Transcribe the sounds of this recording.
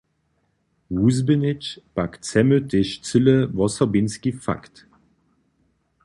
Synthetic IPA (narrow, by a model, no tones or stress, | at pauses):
wuzbənɪt͡ʃpakt͡sɛmøteʃt͡sɨləvɔsɔbinskifa̰kt